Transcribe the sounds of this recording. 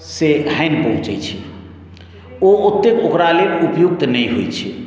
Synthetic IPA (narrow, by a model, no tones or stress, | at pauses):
seɦəjnpəɦũt͡ʃəjt͡ʃʰi | oot̪ːekokɾaleupjuk̚t̪nəjɦojt͡ʃʰi